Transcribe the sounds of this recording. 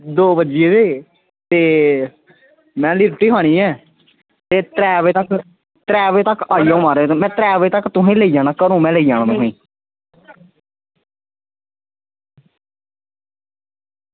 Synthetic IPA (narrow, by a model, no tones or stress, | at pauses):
d̪oːbəd͡ʒijeːd̪eː | t̪eː | mɛ̃ːlɪɾʈiːɦaːɽ̃iːɛː | t̪eːt̪ɾɛːʋeːt̪ək | t̪ɾɛːʋeːt̪əkaːijãːumaːɾeːt̪õmɛ̃ːt̪ɾɛːʋeːt̪əkt̪ʊɦẽːləiːd͡ʒãːñakəɾũːmɛ̃ːləiːjaːñãːt̪ʊɦĩː